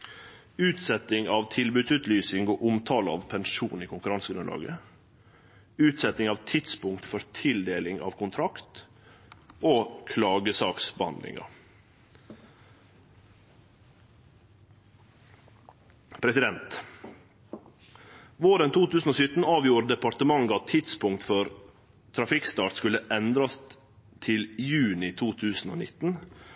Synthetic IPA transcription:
ʉːt̪sɛt̪ɪŋɑːʋt̪ʰɪlbʉːd̪sʉːt̪lyːsɪŋoːʔʊmt̪ʰɑːləɑ̰ːʋpʰɛnʃuːniːkʰʊŋkʉɾɑnsəɡɾʉnlɑ̰ːɡə̰ | ʉːt̪sɛt̪ɪŋɑːʋt̪ʰɪt̪spʊŋkt̪fɔɾt̪ʰɪld̪eːlɪŋɑ̰ːʋkʰʊnt̪ʰɾɑkt̪ | ʔoːkʰlɑːɡəsɑːksbəhɑ̰nd̪lɪ̰ŋɑ̰ | pʰɾɛsɪd̪ɛnt̪ | ʋoːɾənt̪ʰuːt̪ʰʉːsn̩oːsʏt̪n̩ɑːʋjuːɾd̪ɛpɑɾt̪əmɑŋɡɑt̪ʰɪt̪spʊŋk̚t̪fɔɾ | t̪ʰɾɑfɪkst̪ɑːʈskʉləʔɛnd̪ɾɑs | t̪ʰɪljʉːnɪt̪ʰuːt̪ʰʉːsn̩o̰ːnɪt̪n̩

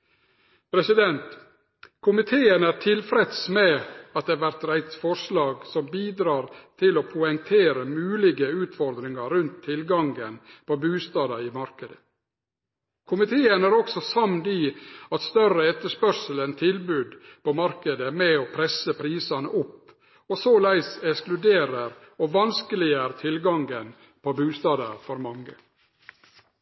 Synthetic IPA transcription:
pʰɾɛsɪd̪ɛnt̪ | kʰʊmɪt̪ʰeːənæɾʈʰɪlfɾɛd̪smɛːɑt̪̚d̪eæʋæɾt̪ɾæɪt̪fɔʂlɑːɡsɔmbiːd̪ɾɑːɾt̪ʰɪloːpʰʊɛŋt̪ʰeːɾəmʉːlɪɡəʉːt̪fɔɾd̪ɾɪŋɑɾʉnt̪ʰːɪlɡɑŋɡənpoːbʉːst̪ɑːd̪ɑɪmɑɾkəd̪ə | kʰʊmɪt̪ʰeːənæːɾɔksɔsɑmd̪iɑt̪st̪œrəɛt̪ːəʂpœɾʂələnt̪ʰɪlbʉːd̪pʰomɑɾkəd̪əmɛoːpʰɾɛsəpʰɾiːsɑnəʔʊpː | osoːlæɪsɛksklʉd̪eːɾəɾ | oːʋɑnskəlɪəɾt̪ʰɪlɡɑŋɡən | pʰobʉːst̪ɑːd̪ɑɾfɔɾmɑŋːə

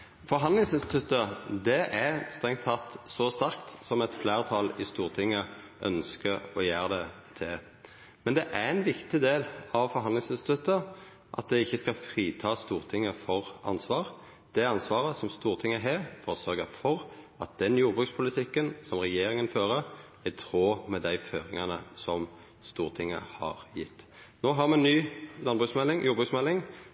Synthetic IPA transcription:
fɔɾɦɑnd̪ɪŋsɪnst̪ɪt̪ʰʉt̪ːəd̪ɛʔæst̪ʁɛŋt̪ʰːɑt̪ːsɔst̪æɾkt̪sɔmɛt̪flæːʁt̪ʰɑlɪst̪uːʁt̪ʰɪŋːə | ʔœ̰nskəɾɔjæːʁəd̪ɛ | t̪ʰɪl | mɛnd̪ɛʔæʁɛnʋɪkt̪ɪd̪eːlɑʋfɔɾɦɑnd̪ɪŋsɪnst̪ɪt̪ʰʉt̪ːə | ʔɑ̰t̪̚d̪ɛɪçːəskɑfɾiːt̪ʰɑːst̪uːʁt̪ʰɪŋːəfɔʁʔɑ̰nsʋɑːʁ | d̪̥ɛɑnsʋɑːʁəsɔmst̪uːʁt̪ʰɪŋːəɦeːfɔʁsœɾɡəfɔɾ | ɑt̪̚d̪̥ɛnjuːɾbʁʉːk̪spʰʊlɪt̪ʰɪkːənsɔmʁɛjeːɾɪŋənføːɾə | ɪt̪ʰɾoːmɛd̪æɪføːɾɪŋɑnəsɔm | st̪uːʁt̪ʰɪŋːə̰hɑ̰ʁjɪ̰t̪ː | noːɦɑɾmɛɛnnyːlɑnbʁʉksmɛlːɪŋjʔuːɾbʁʉːksmɛlːɪŋ

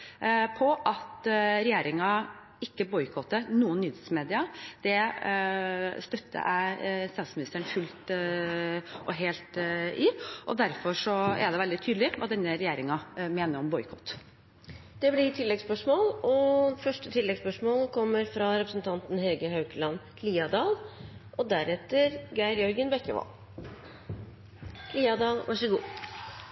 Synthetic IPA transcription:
pʰɔʔɑt̪ɾɛjeːɾɪŋɑ | ɪkːəbɔʏkʰɔt̪ːənuːənːyːd̪smeːd̪ɪɑd̪̥ɛ | st̪œt̪ːə̰ʔæ̰ɪst̪ɑːt̪smɪnɪst̪əɳfʉlt̪ | ʔɔɦeːlt̪ɪʔɔd̪æɾfɔʂɔɛ̰ɖ̪ɛʋɛld̪ɪt̪ʰyːd̪lɪʋɑ̰ːd̪ɛnːəɾɛjeːɾɪŋɑmeːnəɾɔmbɔʏkʰɔt̪ː | d̪̥ɛblɪʈ̪ʰɪlːɛɡspœʂmoːlɔfœʂʈət̪ʰɪlːɛɡspœʂmoːlkʰɔmːəɾfɾɑɾɛpɾəsnt̪ʰɑnt̪n̩hɛɡəhɑʉkəlɑnkʰliːɑd̪ɑːlʔɔd̪æɾɛt̪ːəɾɡæɪɾjœɾɡənbɛkːəʋɑ̰ːl | kʰliːɑd̪ɑːlʋʔɑʂəɡuː

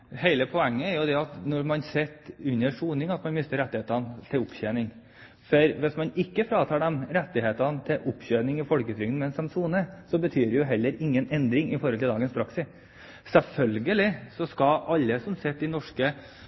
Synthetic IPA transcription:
heɪləpʰɔɛŋːəæɾjʊd̪ɛɑt̪nɔɾmɑnsɛt̪ːʉnːəʂuːnɪŋɑt̪mɑnmɪst̪əɾɛt̪ːɪeːt̪ənt̪ʰɪlʊpçeːnɪŋ | fɔɾʋɪsmɑnɪkːəfɾɑːt̪ʰɑːɖɛmɾɛt̪ːɪheːt̪ɑnt̪ʰɪlʔʊpːçøːnɪŋɪfɔlkət̪ʰɾʏŋn̩mɛnsɛmsuːnəsɔbət̪ʰyːɾɛjʊɦɛlːəɾɪŋːənɛnd̪ɾɪŋɪfɔɾɔlt̪ʰɪld̪ɑːɡənspʰɾɑksɪs | sɛlfœlɡəlɪsɔskɑʔɑlːəsɔmsɛt̪ːɪnɔʂkə

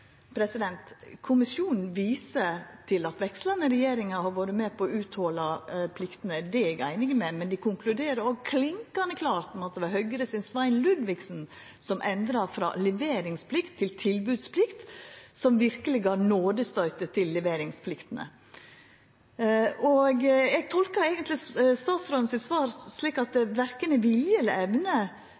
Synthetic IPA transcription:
pʰɾɛsɪd̪ɛnt̪kʰʊmɪsjuːnn̩ʋiːsət̪ʰɪlɑt̪ʋɛkst̪lənəɾɛjeːɾɪŋəhɑɾʋoːɾəmeːpʰɔːʉːt̪hɔːlɑpʰlɪkt̪ənəd̪ɛɛɡæɪnɪɡəmɛmɛnd̪ɪkʰʊŋklʉd̪eːɾəɾɔɡkʰlɪŋkɑnəkʰlɑːɾt̪mɑt̪̚d̪ɛʋɑɾɦœʏɡəɾəsɪnsʋæɪnlʉd̪ʋɪksn | sɔmʔɛnd̪ɾɑfɾɑ̰lɛʋeːɾɪŋspʰlɪkt̪ʰːɪlt̪ʰɪlbʉːd̪spʰlɪkt̪sɔmʋɪɾkəlɪɡɑɾnoːd̪əst̪œʏt̪ət̪ʰɪlːɛʋeːɾɪŋspʰlɪkt̪ənə̰ | ʔɔɡɛɡ̚t̪ʰɔlkəɾɛːɡənt̪lɪst̪ɑːt̪sfɾɔːnsɪt̪sʋɑːɾsliːkɑt̪̚d̪ɛʋæɾkənəʋɪljəɛləɛʋnə

